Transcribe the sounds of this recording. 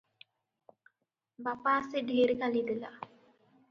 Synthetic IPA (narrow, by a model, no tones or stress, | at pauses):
bapaːseɖieɾikalid̪ila̰